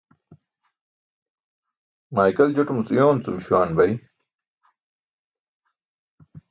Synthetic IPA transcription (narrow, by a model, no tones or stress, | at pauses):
maːjkɐld͡ʑɐʈumut͡sujoːnt͡sumɕwaːnbɐji